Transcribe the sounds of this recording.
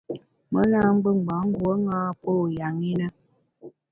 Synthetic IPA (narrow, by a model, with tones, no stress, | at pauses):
mə˦na˦ŋ͡m̩˦ɡ͡bə˦˨ŋ˨ba˨˦ŋ̩˦ɡwo˦ŋaː˦po˦˨ja˨ŋi˦nə˦